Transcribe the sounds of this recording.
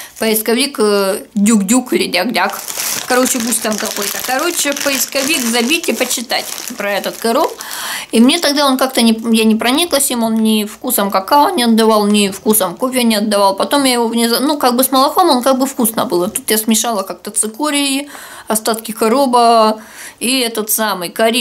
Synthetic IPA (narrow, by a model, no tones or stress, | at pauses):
pəɪskɐvʲikdʲukdʲukɨlʲɪdʲaɡdʲakkɐɾo̞t͡ɕɪp̬usʲtʲt̪amk̪ɐko̞jt̪əkɐɾo̞t͡ɕːɪpəɪskɐvʲikzɐbʲitʲɪpət͡ɕːɪt̪atʲpɾɐɛt̪ət̪kɐɾop | imnʲe̞t̪ɐɡd̪aonkak̚t̪ənʲɪjanʲɪpɾɐnʲiklˠəsʲɪmo̞nnʲɪfkusəmkɐkaonnʲɪɐd̪ːɐvalˠnʲɪfkusəmkofʲjənʲɪɐd̪ːɐvalˠpɐt̪o̞mjajɪvonʲɪznukaɡ̚bɨsmɐlˠɐxo̞monkaɡ̚bɨfkusnə̰bɨlˠɐt̪ut̪jasmʲɪʂalˠəkak̚t̪ət̪sɨkoɾʲɪi | ɐst̪at̪kʲɪkɐɾo̞bə | iɛt̪ət̪samɨjkɐɾʲi